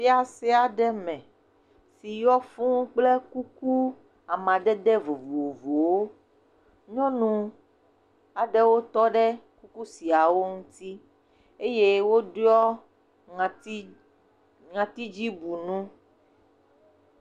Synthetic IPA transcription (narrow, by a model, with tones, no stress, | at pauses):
fi˦a˦sɛ˦a˨ɖɛ˦mɛ̃˨ | si˨jɔ˦fũ˦k͡ple˦ku˦ku˦ | a˨mã˨d̪ɛ˦d̪ɛ˦vo˨vu˨wo˨vo˨wo˦ | ɲɔ̃˦nũ˨ | a˨ɖɛ˦wo˦t̪ɔ˦ɖɛ˦ku˦ku˦si˨a˨wo˦ŋũ˦t̪i˦ | e˦je˦wo˦ɖɔ˦˨˦ | ŋã˨t̪i˦d͡ʒi˦bu˨nũ˦